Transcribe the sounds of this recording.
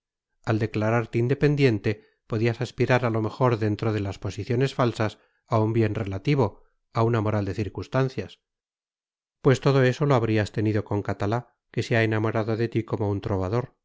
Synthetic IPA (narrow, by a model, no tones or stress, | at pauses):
ald̪e̞klaɾaɾt̪eind̪epe̞nd̪je̞nt̪e̞ | po̞ðiasaspiɾaɾalo̞me̞xo̞ɾðe̞nt̪ɾoð̞e̞laspo̞siθjo̞ne̞sfalsas | aumbje̞nre̞lat̪iβ̞o̞ | aunamo̞ɾald̪e̞θiɾkunst̪anθjas | pwe̞st̪o̞ð̞o̞e̞so̞lo̞aβɾiast̪e̞niðo̞ko̞ŋkat̪ala | ke̞seaenamo̞ɾaðo̞ðe̞t̪iko̞mount̪ɾo̞β̞aðo̞ɾ